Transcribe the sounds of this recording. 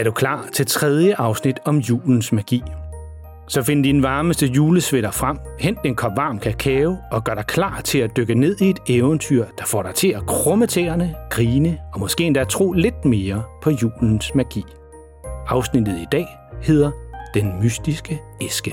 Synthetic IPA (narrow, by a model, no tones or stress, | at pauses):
æɐɾ̥ukʰlɑ̰̈ːt͡sʰe̝lt͡sʰʁɛð̞ˠjəʔɑ̈ʊsnid̥ɒ̽mjṵːln̩smæɡ̥ḭː | sɒ̽fe̝nɐd̥id̥enʋɑ̈ːməsd̥əjuːləsʋeɾ̥ɐfʁam̰hen̰d̥enkʰɒ̽m̰ʋɑ̈ːmkʰækʰɛːʊɒ̽ɡ̥ɶɐɾ̥ɑ̈ɪkʰlɑ̰̈ːt͡sʰe̝læd̥øɡ̥əne̝ð̞̰ˠie̝d̥eʊənt͡sʰyɐ̰d̥ɑ̈fɒ̰ːɾ̥ɑ̈ɪt͡sʰe̝ækʰʁɔ̽mət͡sʰeɐnəɡ̥ʁiːnəɒ̽mɒ̽sɡ̥e̝̰ːend̥ææt͡sʰʁo̝̰ːle̝d̥̚me̝ːɐpʰɒ̽jṵːln̩smæɡ̥ḭː | ɑ̈ʊsnid̥ð̞̩ˠid̥ɛ̰ː | he̝ð̰ˠɐd̥enmysd̥isɡ̥əesɡ̥ə